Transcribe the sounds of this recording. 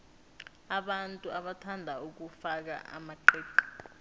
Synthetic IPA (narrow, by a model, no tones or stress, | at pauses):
aɓantʼuaɓatʰandʱauk̬ufak̬a̰ʔa̰maǃɛːǃḁ